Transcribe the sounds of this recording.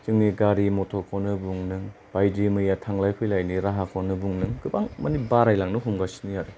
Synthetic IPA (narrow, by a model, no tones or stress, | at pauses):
t͡ʃɯŋniɡaɾimotʰɔɾkʰɔnɯbuŋnɯŋ | b̥ajdimɯjatʰaŋlajkʰɯjlajniɾaɦakʰɔnɯbuŋnɯŋɡɯbaŋmanibaɾajlaŋnɯɦumɡasi̥nijaɾɯ